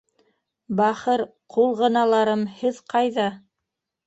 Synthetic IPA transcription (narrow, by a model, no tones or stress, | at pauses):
bɑχɤɾ | qʰulˠʁɤ̆nɑlˠɑɾɤmhɘðqʰɑjðɑ